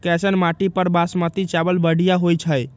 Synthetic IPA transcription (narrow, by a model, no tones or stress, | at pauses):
kɛsənmaʈipəɾbasmət̪it͡ʃabəlbəɽijaɦojt͡ʃʰəj